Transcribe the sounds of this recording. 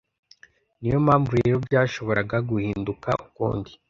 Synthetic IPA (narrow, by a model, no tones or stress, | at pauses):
nijo̞mhaːɱvuɾeɾobɟjaːʃo̞βo̞ɾaɡaɡuhiːnduka̰ʔukṵːndi